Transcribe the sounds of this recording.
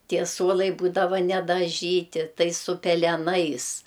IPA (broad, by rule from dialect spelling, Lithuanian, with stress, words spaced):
ˈtʲiɛ ˈsuɔlˠɐɪ ˈbuːdɐʋɐ nʲɛdɐˈʒʲiːtʲɪ ˈtɐɪ sʊ pʲɛlʲɛˈnɐɪs